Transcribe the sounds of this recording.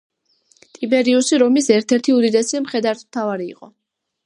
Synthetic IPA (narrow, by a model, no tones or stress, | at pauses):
t̪ʼibɛɾiusiɾɔmisɛɾt̪ʰɛɾt̪ʰiud̪id̪ɛsimχɛd̪aɾt̪ʰmt̪ʰavaɾḭːqʼɔ